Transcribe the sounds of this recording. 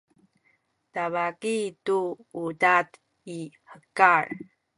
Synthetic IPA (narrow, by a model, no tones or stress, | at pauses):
tavakituudat | i | həkar